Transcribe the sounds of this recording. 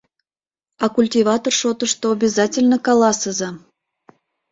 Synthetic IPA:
ɑkulʲtʲivɑt̪orʃot̪əʃt̪oːbʲɪzɑtʲɪlʲnəkɑlɑsəzɑ

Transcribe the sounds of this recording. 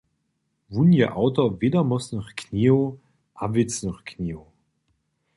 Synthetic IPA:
vunjəʔaʊtɐveːdɐmɔsnɔχkʰniːo | ʔavɪt͡snɔχkʰniːo

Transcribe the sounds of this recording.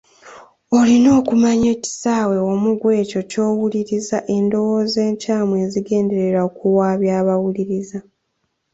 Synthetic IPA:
o̞lino̞ːkumaɲe̞ːci̥saːwe̞omuɡwe̞ːco̞co̞ːwuliɾizaʔe̞ndo̞wo̞ːze̞ːɲcaːmwe̞ːziɡe̞ːnde̞ɾe̞ɾaokuwaːβjaːβawuliɾiza

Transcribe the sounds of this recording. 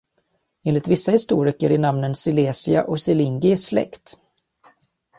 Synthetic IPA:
eːnlɪt̪vɪsːahɪst̪uːɾɪkəɾɪɳamnənsɪleːsɪaʔɔksɪlɪŋɡɪslɛ̰kt̪

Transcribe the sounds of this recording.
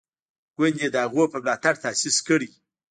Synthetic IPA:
ɡ̥ʷend̪ed̪əhaɣʷopəmlɑt̪aɽt̪aːsiskəɽi

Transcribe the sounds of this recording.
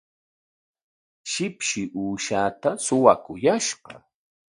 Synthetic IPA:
ʃɪpʃɪʔuːʃaːt̪asʊwakʊjaʃɢɑ̰

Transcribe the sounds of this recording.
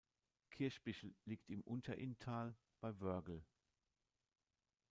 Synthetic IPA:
kʰɪɐʃb̥ɪʃl̩liːktɪmʔʊntʰɐʔɪntʰaːl | b̥aɪvœɐɡl̩

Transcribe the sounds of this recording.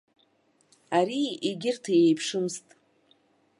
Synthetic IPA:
aɾiiɡʲɪrtʰajejpʰʂɨmstʼ

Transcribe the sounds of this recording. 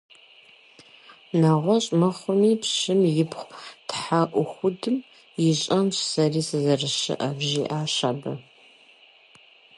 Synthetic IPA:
naːʁʷɔɕʼmɐχʷʊmiːpɕɨmjɪpχʷtħaʔʷʊxʷʊdɨm | jɪɕʼɐnɕsɐriːsɨzɐrɨʃɪ̰ʔɐbʑḭːʔaːɕaːbɐ

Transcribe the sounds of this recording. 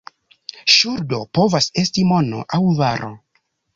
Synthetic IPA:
ʃuɾdo̞po̞vase̞stimo̞no̞̰ʔawvaɾʔo̞̰

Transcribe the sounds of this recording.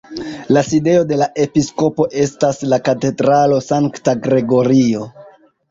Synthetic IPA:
laside̞o̞de̞laʔe̞pisko̞po̞ʔe̞staslakate̞dɾalo̞saŋktaɡɾe̞ɡo̞ɾio̞

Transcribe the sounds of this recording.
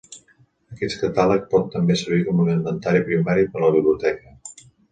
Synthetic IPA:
əkɛt̪kət̪alək̚pɔt̪ːəmbesəɾβikɔmənəmbənt̪aɾipɾimaɾipələβ̞iβliut̪ɛkə

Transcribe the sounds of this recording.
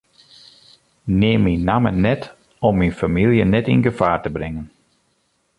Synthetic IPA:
neːminːamənɛt | ɔmːinfamilˠjənɛtɪnɡəfaːrtəbrɪŋən

